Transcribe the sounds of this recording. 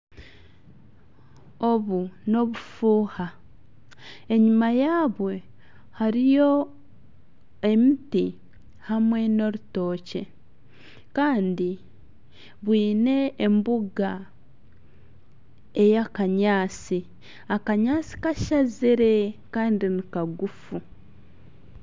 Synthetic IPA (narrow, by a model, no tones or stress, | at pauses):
o̞βuno̞βufuːha | e̞ɲumajaːβwe̞ | haɾijo̞ | emiti | hamwe̞no̞ɾuto̞ːce̞ | kaːndi | βwiːne̞ːmbuɡa | e̞jakaɲaːsi | akaɲaːsi̥kaʃaziɾe̞kaːndinikaɡufu